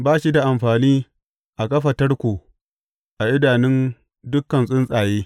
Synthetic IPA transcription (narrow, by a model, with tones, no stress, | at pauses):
baː˦ʃi˦da˨ʔa˨mɸaː˨niː˦ | ʔa˨kɐ˦ɸɐ˨tɐ˦rkʷuː˨ | ʔa˨ʔɪ˦daː˨nɪ˦n | dʊ˦kːɐ˨nsʼɪ˦nsʼaː˨jeː˦